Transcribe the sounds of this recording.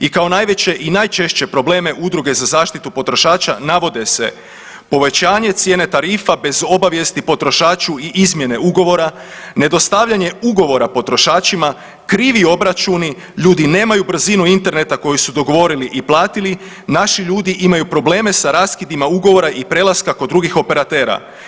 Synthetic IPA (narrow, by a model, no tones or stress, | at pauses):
ikao̞najʋe̞t͡ɕe̞ʔinajt͡ʃe̞ʃt͡ɕe̞pɾo̞ble̞ːme̞ʔud̪ɾuɡe̞zazaːʃt̪it̪upo̞t̪ɾo̞ʃaːt͡ʃa̰naʋo̞d̪e̞se̞̰ | po̞ʋe̞t͡ɕaːɲe̞t̪sje̞ne̞t̪aɾiːfabe̞zo̞baʋje̞st̪ipo̞t̪ɾo̞ʃaːt͡ʃuiʔizmje̞ne̞uɡo̞ʋo̞ɾa | ne̞d̪o̞st̪aʋʎaɲe̞uɡo̞ʋo̞ɾapo̞t̪ɾo̞ʃaːt͡ʃima | kɾiːʋio̞bɾat͡ʃuni | ʎuːd̪ine̞ːmajubr̩zinuint̪e̞ɾne̞t̪ako̞jisud̪o̞ɡo̞ʋo̞ɾiliʔiplˠaːt̪ili | naʃiʎuːd̪iʔimajupɾo̞ble̞ːme̞saɾaːskid̪imauɡo̞ʋo̞ɾaʔipɾe̞lˠaskakod̪ːɾuɡixo̞pe̞ɾat̪e̞ːɾa̰